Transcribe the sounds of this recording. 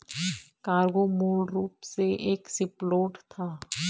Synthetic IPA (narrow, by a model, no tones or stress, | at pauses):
kaːɾɡomuːlɾuːpseʔeːksɪploːʈt̪ʰaː